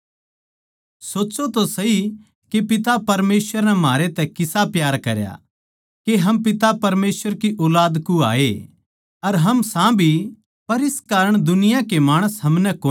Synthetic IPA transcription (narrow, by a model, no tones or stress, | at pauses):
soːtːʃot̪osɐi | kepɪt̪apɐɾmeːswəɾnɛmaːɾet̪ɛkɪsapjaːɾkɐɾja̰ | keɦɐmpɪt̪apɐɾmeːswəɾkiʔʊːlaːd̪kua̰ːe | ɐɾɦɐmsãbʱi | pɐɾɪskaːɾəɽ̃d̪ʊnɪjakemaːɽ̃əsɦɐmnɛkoː